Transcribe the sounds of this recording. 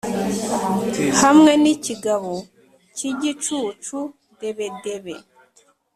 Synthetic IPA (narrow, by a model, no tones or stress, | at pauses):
hamŋe̞niciɡaβo | ciɟit͡ʃuːt͡ʃu | de̞βe̞de̞βe